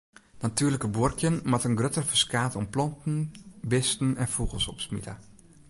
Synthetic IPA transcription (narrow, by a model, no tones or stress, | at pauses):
natyːrləkəburkʰjənmatənɡrøtərfəskaːtɔmplɔntn̩bɪstn̩ɛnfuɣəl̩ˠsɔpsmḭlə̰